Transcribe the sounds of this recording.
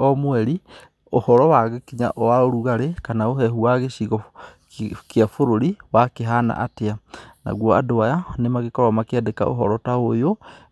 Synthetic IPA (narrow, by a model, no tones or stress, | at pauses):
ɔmwɛɾi | ohɔɾɔwaɣekiɲa̰ʔɔwaoɾuɣaɾekanaoɦɛɦuaɣeʃiɣɔ | kjafoɾoɾiwakeɦana̰ʔa̰teana̰ɣwɔa̰doajanemaɣekɔɾamakɛdeka̰o̰ɦɔ̰ɾɔtaojo